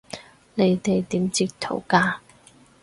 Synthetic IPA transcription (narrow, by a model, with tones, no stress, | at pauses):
ne˨˧jt̪e˨jt̪iː˨˥mt͡siː˨˧k̚t̪ʰo̰˨˩wkaː˧